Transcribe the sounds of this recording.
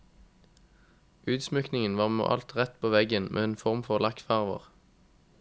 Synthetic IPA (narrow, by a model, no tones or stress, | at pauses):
ʉːd̪smʏknɪŋənʋɑːʁmo̰ːʔɑ̰lt̪ʁɛt̪pʰoːʋɛɡənmʔḛːeːnfɔʁmfɔʁlɑkt̪fæʁʋə̰ʁ